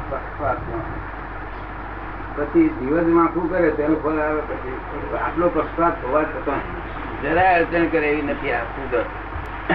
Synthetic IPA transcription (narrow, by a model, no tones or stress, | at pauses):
əsat̪õ | pət͡ʃʰid̪iʋəsmãkũkəɾet̪enõpʰəlaʋepət͡ʃʰi | a̰plopəksat̪oʋat̪ət̪õ | d͡ʒəɾaəɾt͡ʃənkəɾeʋinət̪ʰiasũd̪ət̪